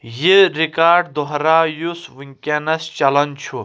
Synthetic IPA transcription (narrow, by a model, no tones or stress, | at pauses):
jiɾikaːɾɖd̪ɔɦɾaːjusʋiŋkʲenɐst͡ʃɐlɐnt͡ʃʰu